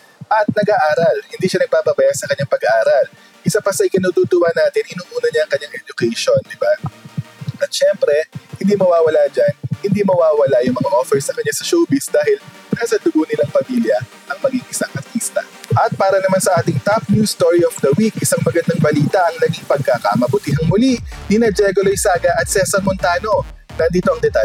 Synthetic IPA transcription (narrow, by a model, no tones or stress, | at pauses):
ʔɐt̪̚nɐɡʔaʔaːɾɐlhɪnd̪iːʃɐnɐɡ̚paːpɐbɐjasɐkɐɲːaŋpɐɡɐʔaːɾɐl | ʔɪsapɐsɐʔɪjkɪnuːt̪uːt̪ʊwanaːt̪ɪnʔɪnuːʔuːnɐɲaɐŋkɐɲːaŋʔɛd͡ʒʊkɛjʃo̞nd̪ɪba | ʔɐt̪ʃɛmpɾɛhɪnd̪imɐwaːwɐlad͡ʒanhɪnd̪imɐwaːwɐlajʊŋmɐŋaʔofɛɹsɐkɐɲɲasɐʃoːbɪsd̪aːɦɪl | naːsɐd̪ʊɡonɪlɐŋpɐmiljɐ | ʔɐŋmɐɡiŋʔɪsaŋʔɐɾt̪ist̪ɐ̰ | ʔɐt̪̚paːɾɐnɐmansɐʔaːt̪ɪŋt̪ap̚njust̪oɹiʔofd̪ɐwikʔɪsaŋmɐɡɐnd̪aŋbɐliːt̪ɐʔɐŋlɐɡiŋpɐɡ̚kakamɐbʊt̪iɦɐŋmʊlinɪnɐd͡ʒɛɡɐlojsaːɡɐʔɐt̪̚sɛsɐmont̪aːno̞ | nɐnd̪iːt̪oʔɐŋd̪ɛt̪a